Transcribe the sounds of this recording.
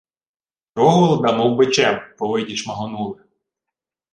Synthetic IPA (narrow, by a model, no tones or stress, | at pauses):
t̪ɾɔɦɔlˠd̪ɐmɔwbɪt͡ʃɛmpɔʋɪdʲiʃmɐɦɔnulˠɪ